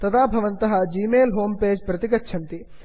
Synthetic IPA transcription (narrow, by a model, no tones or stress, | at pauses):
t̪ɐd̪aːbʱɐʋɐnt̪ɐɦɐd͡ʒiːmeːlɦoːmpeːd͡ʒpɾɐt̪ikɐtːʃʰɐnt̪i